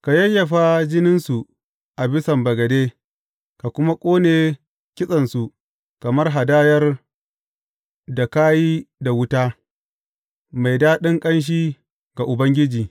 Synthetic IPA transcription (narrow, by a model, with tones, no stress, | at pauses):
ka˨jɐ˦jːɐ˨ɸa˦d͡ʒɪ˦nɪ˦nsu˨ | ʔa˨bɪ˦sɐ˨mbɐ˨ɡɐ˨deː˦ | ka˨kʷʊ˦ma˦kʷʼoː˦neː˨ | kʲɪ˦sʼɐ˨nsu˨ | kɐ˨mɐ˦rɦa˨daː˦jɐ˦r | da˨kaː˦ji˦da˨wʊ˦ta˦ | ma˨jdaː˦ɗɪ˦ŋkʼɐ˦nʃ̬iː˦ | ɡa˨ʔʊ˨bɐ˦ŋɡʲɪ˦d͡ʒiː˨